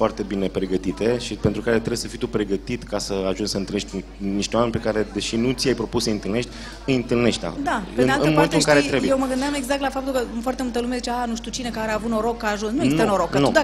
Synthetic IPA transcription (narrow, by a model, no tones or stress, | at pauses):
foart̪e̞bine̞pɾe̞ɡət̪it̪e̞ʃipent̪ɾukaɾet̪ɾewjsəfijt̪upɾe̞ɡət̪it̪kasəaʒunsəɨnt̪ɨlneʃt̪ʲ | niʃt̪ewame̞npe̞kaɾe̞d̪e̞ʃinut̪sjajpɾo̞pusəɨnt̪ɨlne̞ʃt̪ʲ | ɨɨnt̪ɨlne̞ʃt̪d̪a̰d̪aeɨnealɨnəmoment̪lɨntkaɾeɾeujejewməɡɨnd̪jameɡzak̚t̪lafap̚t̪ulkəumfoart̪e̞mult̪əlumezit͡ʃeanuʃt̪iut͡ʃinekəaɾavut̪noɾo̞kːaːʒunsnuesnenoɾokkənuud̪a